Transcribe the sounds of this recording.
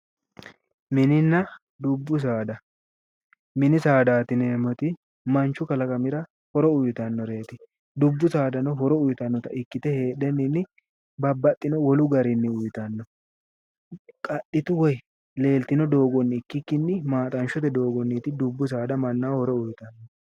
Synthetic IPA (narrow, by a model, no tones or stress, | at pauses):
mɪnɪnːɐ | d̪ʊbːʊs̬aːd̪ɐ | mɪnɪsaːd̪aːt̪ɪneːmɔt̪ɪ | mɐnt͡ʃːʊkɐlɐkʼɐmɪɾɐ | hɔɾɔʊjt̪ɐnːɔɾe̞ːt̪ɪ | d̪ʊbːʊsaːd̪ɐnɔɦɔɾɔʊjt̪ɐnːɔt̪ɐʔɪkːɪt̪ɛhe̞ːɗɛnːɪnːɪ | bɐbːɐt̪ʼːɪnɔwɔlʊɡɐɾɪnːɪʊjt̪ɐnːɔ | kʼɐɗːɪt̪ʊwɔj | le̞ːlt̪ɪnɔd̪o̞ːɡɔnːɪːkːɪkːɪnːɪmaːt̪ʼɐnʃɔt̪ɛd̪o̞ːɡɔnːit̪ɪd̪ʊbːʊs̬aːd̪ɐmɐnːaːhɔɾɔʊjt̪ɐnːɔ